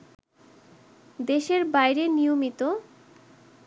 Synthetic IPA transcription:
d̪eʃeɾbajɾenijomit̪o

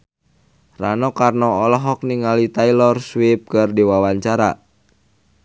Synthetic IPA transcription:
ranɔkarnɔɔlɔɦɔk̚niŋalit̪ailɔrswip̚kɨrdiwawaɲt͡ʃaɾa̰

